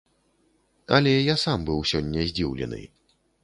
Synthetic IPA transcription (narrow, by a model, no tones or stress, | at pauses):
ɐ̰lʲɛjasambɨwsʲɔnʲːɐzʲd͡zʲiwlʲɛ̰nɨ̰